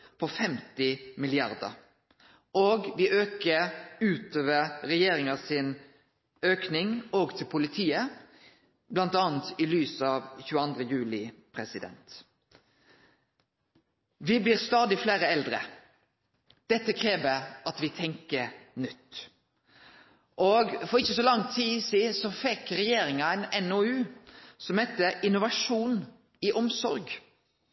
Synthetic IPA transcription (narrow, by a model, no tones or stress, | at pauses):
pʰɔfɛmt̪ɪmɪlɪɑɾd̪ə̰ɾ | oːɡʋɪʔøːkəʉːt̪ʰoːʋəʁɾɛjeːɾɪŋɑsɪn | øːknɪŋoːɡt̪ʰɪlpʰʊlɪt̪ʰiːə | blɑnt̪ɑːnt̪ɪlyːsəɑʋçʉːəɑnd̪ɾəjʉːlɪpʰɾɛsɪd̪ɛ̰nt̪ | ʋɪbliːɾst̪ɑːd̪ɪfleːɾəɛld̪ɾə̰ | d̪̥ɛt̪ːəkʰɾeːʋəɑt̪ʋɪt̪ʰɛŋkənʏt̪ː | ʔoɡfɔɾɪçːəsɔlɑŋt̪ʰiːsiːsɔfɛkːɾɛjeːɾɪŋɑɛɪnɛnoʉːsɔmhɛt̪ːəʔɪnʊʋɑʂuːn | ɪʔɔmsɔɾɡ